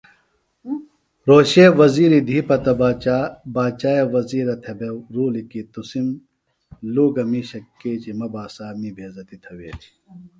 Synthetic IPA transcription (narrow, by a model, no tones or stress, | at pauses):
ɾoːɕeːʋɐziːɾid̪ʱiːpɐt̪ɐ | baːt͡ɕaːjeʋɐziːɾɐt̪ʰebeɾuːlikit̪usim | luːɡɐmiɕɐkːeːt͡ɕimɐbaːsaːmibʱeːzɐt̪it̪ʰɐwḛːt̪ʰi̥